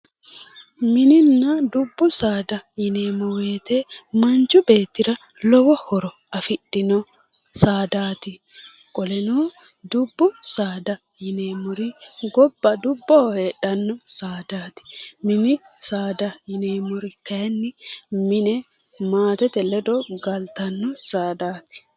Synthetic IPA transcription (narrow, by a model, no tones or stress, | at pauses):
mɪnɪnːɐd̪ʊbːʊsaːd̪ɐjɪneːmɔweːt̪emɐnt͡ʃʊbeːt̪ːɪɾɐ | lɔwɔhɔɾɔ | ɐfɪɗɪnɔ | saːd̪aːt̪ɪ | kʼɔlɛnoː | d̪ʊbːʊsaːd̪ɐ | jɪneːmʊɾɪɡɔbːɐd̪ʊbːoːhe̞ːᶑɐnːɔsaːd̪aːt̪ɪ̥mɪnɪsaːd̪ɐjɪneːmʊɾɪkɐjɐnːɪmɪnɛ | maːt̪ɛt̪ɛlɛd̪ɔɡɐlt̪ɐnːɔsaːd̪aːt̪ɪ̥